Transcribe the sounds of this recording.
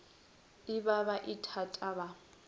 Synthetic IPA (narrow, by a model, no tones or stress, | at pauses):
ɪbaβaʔɪtʰatʼaβa